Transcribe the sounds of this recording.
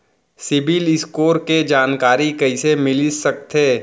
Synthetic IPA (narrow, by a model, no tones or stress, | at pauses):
sɪbɪlɪskoːɾked͡ʒaːnkaːɾikɐɪsemɪlɪsɐk̚t̪eː